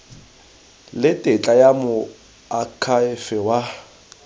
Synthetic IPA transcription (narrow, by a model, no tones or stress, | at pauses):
lɪtʼɪt͡ɬʼajamʊ | akʰaɪfɛwa